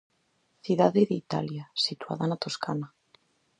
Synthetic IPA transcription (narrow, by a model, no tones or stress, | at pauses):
θjuðaðeðeit̪a̰ljasit̪wa̰ðanat̪oskana